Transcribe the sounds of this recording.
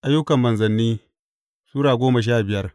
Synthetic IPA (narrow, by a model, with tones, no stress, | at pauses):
ʔa˦jːʊ˦kɐ˨mːɐ˨nzɐ˨nːiː˦ | suː˦ɽaː˨ɡʷoː˦mɐ˨ʃ̬aː˦bɪ˨jɐ˦r